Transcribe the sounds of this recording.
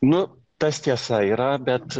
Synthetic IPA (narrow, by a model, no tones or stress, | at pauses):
nʊ | t̪ɐsʲt̪ʲiɛsɑiɾɑbʲɛt̪